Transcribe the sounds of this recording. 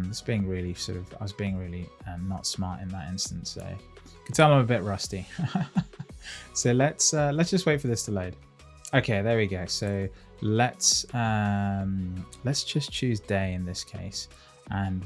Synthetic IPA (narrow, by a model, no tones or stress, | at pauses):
mðɪsb̥iɪ̃ŋɹɪːlisɔ̰ˑɾʌv̥a̰ɪwʌzbiɪ̃ŋɹɪːliʌnətsmɑ̰ˑtɪ̰̃nðə̰tɪ̰̃nstə̃n̩tso̰ʊ | kʰə̥tʰɛlˠmãɪməbɪʔɹʌsti | soʊlətsʌlətsd̥ʒ̥ʌst̚weɪtfə˞ðɪstʰəleʊd̥ | oʊkʰeɪðəwiɡoʊsoʊ | lətsʌ̃mlətsd̥ʒ̥ʌst͡ʃʰʉːzdeɪɪ̃nðɪskʰeɪs | ʔə̃n